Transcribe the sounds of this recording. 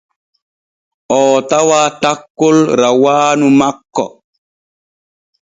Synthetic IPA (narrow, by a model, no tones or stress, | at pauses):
ʔɔːtawaːtakːolɾawaːnumakːɔ̰